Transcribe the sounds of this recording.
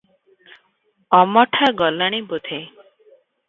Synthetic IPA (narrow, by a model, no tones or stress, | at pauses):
ɔmɔʈʰaɡɔləɽ̃ibut̪ʰe